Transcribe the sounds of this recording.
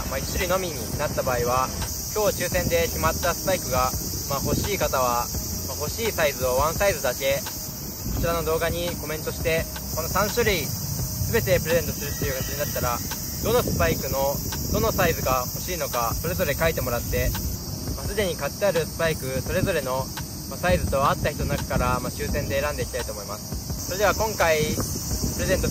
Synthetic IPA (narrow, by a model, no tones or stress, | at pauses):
mait͡ɕi̥ɕiɾʲino̞mʲiɲ̟inat̪ːabaːiβa | kʲo̞ːt͡ɕɨːsẽ̞nd̪e̞kʲimat̪ːasɨ̥paikɯ̟ɡa | maɦo̞ɕiːkat̪aβ̞a | maho̞ɕiːsaizɨoβãɰ̃saizɨd̪ake̞ | ko̞̥t͡ɕiɾano̞d̪o̞ːɡaɲ̟iko̞mẽ̞nt̪o̞ɕi̥t̪e̞ | ko̞no̞sãɰ̃ɕɨɾʲiisɨbe̞t̪e̞pɯ̟ɾe̞ze̞nt̪o̞sɨɾɯ̟ɕit̪ejoɡat͡siɲinat̪ːaɾa | d̪o̞no̞sɨ̥paikɯ̟no̞d̪o̞no̞saizɨɡaho̞ɕiːno̞kaso̞ɾe̞zo̞ɾe̞kait̪e̞mo̞ɾat̪ːe̞ | masɨd̪e̞ɲ̟ikat̪ːeaɾɯ̟sɨ̥paikɯ̟so̞ɾe̞zo̞ɾe̞no̞ | masaizɨt̪o̞βat̪ːahçi̥t̪o̞noakḁkaɾamaɕɨːsẽ̞nd̪e̞ːɾãnd̪e̞ikʲit̪ait̪oːmo̞imasɨ̥so̞ɾee̞βakõ̞ŋkaipɯ̟ɾe̞zẽ̞nt̪o